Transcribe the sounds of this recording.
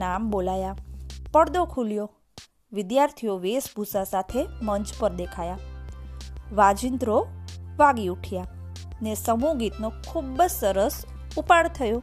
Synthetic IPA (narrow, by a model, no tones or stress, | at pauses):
nambolajapəɽd̪okʰuljo | ʋɪd̪jaɾt̪ʰijoʋesbʱusasat̪ʰeməɲt͡ʃpəɾd̪ekʰaja | ʋad͡ʒind̪ɾoʋaɡiuʈʰja | nesəmuɡit̪nokʰubd͡ʒsəɾəs | upaɽt̪ʰəjo